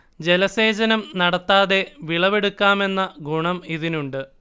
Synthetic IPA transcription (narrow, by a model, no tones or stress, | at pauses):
d͡ʑe̞lɐseːd͡ʑɐnɐmnɐɽɐt̪ːaːðe̞ʋiɭɐʋe̞ɽukːaːme̞nːɐɡuɳɐmiðinuɳɖɨ